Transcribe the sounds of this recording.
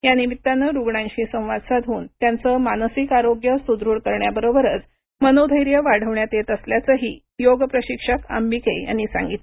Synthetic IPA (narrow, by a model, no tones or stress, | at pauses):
janibit̪ːanːəɾuɡɳãɲɕiːsə̃w̃ʋad̪sad̪ʱɦuːnt̪jant͡səmansikaɾoɡjəsud̪ɾuːɽkəɾɳjabəɾobəɾət͡s | mənod̪ʱəjɾjəʋaɽ̤əʋɳjat̪jet̪əsljat͡səɦiː | joɡpɾəɕikʂəka̰mbikeja̰ñisã̰ŋɡit̪